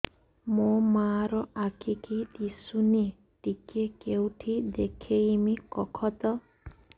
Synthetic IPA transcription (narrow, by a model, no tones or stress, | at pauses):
momaɾɔʔakʰikidisune | ʈikekewʈʰid̪ekʰeimikɔkʰɔt̪ɔ